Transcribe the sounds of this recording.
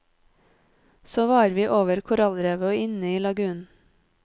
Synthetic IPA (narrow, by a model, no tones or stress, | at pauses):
soːʋɑːɾʋiːʔoːʋəɾkʰʊɾɑlɾeːʋəoɪnəiːlɑɡʉːn